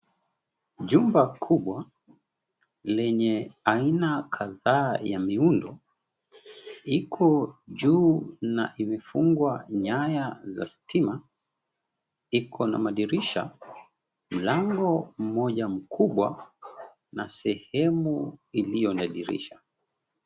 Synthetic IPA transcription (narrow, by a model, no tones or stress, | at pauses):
ʄumbakʰuɓwa | lɛɲɛainakʰaðaːjamiundɔ | ikʰɔʄuːnaʔimɛfuŋɡwaɲajaza̰stʰima | ikʰɔna̰maɗiɾiʃa | m̩laŋɡɔm̩mɔʄam̩kʰuɓwa̰ | nasɛhɛmuilijɔnaɗiɾḭʃa